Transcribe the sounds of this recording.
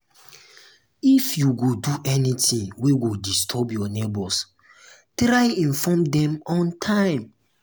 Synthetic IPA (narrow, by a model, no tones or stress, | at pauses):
ifjuɡoduʔɛnitʰĩŋweɡudistʰɔbjɔnebɔs | tɾaɪĩnfɔmdɛ̃mɔ̃ntʰãɪ̃m